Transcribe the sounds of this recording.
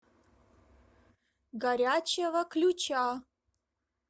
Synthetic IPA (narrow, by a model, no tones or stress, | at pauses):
ɡɐɾʲaːt͡ʃʰɐvɐkʰlʲut͡ʃʰaː